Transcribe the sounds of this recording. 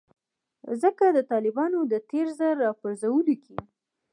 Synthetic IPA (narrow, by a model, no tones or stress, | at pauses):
zəkad̪ət̪ɑlɪbɑnod̪ət̪eɾzəɾːɑpəɾzawəlukʰi